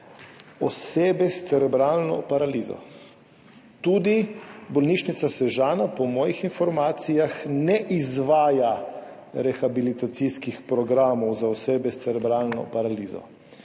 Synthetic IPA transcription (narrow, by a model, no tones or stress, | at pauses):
ɔseːbɛst̪sɛɾɛbɾaːlnɔ̰paɾaliːzɔ̰ | t̪uːd̪ibɔlniʃnit̪sasɛʒaːnapɔmɔːjixinfɔɾmaːt̪sijaxnɛʔizʋaːja | ɾɛxabilit̪at̪siskixpɾɔɡɾaːmɔwzaɔseːbɛst̪ɛɾɛbɾaːlnɔ̰paɾaliːzɔ̰